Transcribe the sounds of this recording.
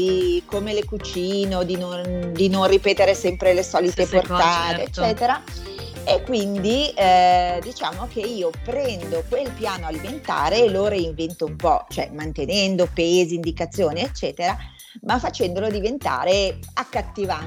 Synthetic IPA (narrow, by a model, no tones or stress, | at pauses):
ikomelekut͡ʃiːnod̪inond̪inonripeːt̪eɾesɛmpɾelesɔːlit̪eport̪aːt̪eet͡ʃːɛːt̪eɾa | ekːwind̪i | d̪it͡ʃaːmokeiːopɾɛnd̪okwelpjaːnoaliment̪a̰ːɾeloːɾeiɱvent̪oumpɔ̰t͡ʃoɛmant̪enɛnd̪opeːziːnd̪ikat̪sːjoːniet͡ʃːɛːt̪eɾa | mafːat͡ʃɛnd̪olod̪ivent̪a̰ːɾeakːat̪ːiva